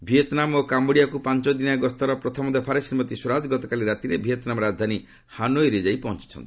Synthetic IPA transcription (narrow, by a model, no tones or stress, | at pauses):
ibʱiet̪namokamboɽijakupant͡ʃɔd̪inaaɡɔst̪ɔɾɔpɾɔt̪ʰɔmɔd̪ʱepʰaɾesiɾmɔt̪iswɔɾad͡ʒɡɔt̪ɔkaliɾat̪iɾebʱijet̪namɔɾad͡ʒd̪ʱani | hanoeɾid͡ʒaipɔɦɔ̃nt͡ʃi̥t͡ʃʰɔ̰nt̪i